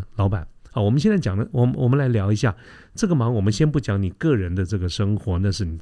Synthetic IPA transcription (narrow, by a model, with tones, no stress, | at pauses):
lɑ˧˥ʊpa˨˩˦n | a˥˩wɔ˨˩m˦nɕɛ˥˧nt͡sa˥˩t͡ɕjɑ˨˩ŋd̪ə˦wɔ˨˩wɔ˨˩mə˦nla˧˥ɪljɑ˧˥ʊi˧˥ɕja˥˩ | ʈ͡ʂɤ˥˩ɡə˩mɑ˧˥ŋwɔ˨˩mə˦nɕjɛ˥npu˥˩t͡ɕjɑ˧˥ŋni˨˩kɤ˥˩ɻə˧˥nd̪ə˧ʈ͡ʂɤ˥˩ɡə˩ʂɤ˥ŋxwɔ˧˥na˥˧ʂɻ̩˥˩ni˨˩